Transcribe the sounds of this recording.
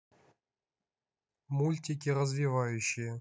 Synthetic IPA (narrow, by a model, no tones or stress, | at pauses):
mulʲtʲikʲiɾəzvʲivajʉɕːɪjə